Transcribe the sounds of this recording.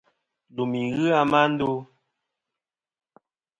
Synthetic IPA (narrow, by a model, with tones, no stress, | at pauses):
du˨mi˨ɣɨ˦a˦ma˦n̩˦do˦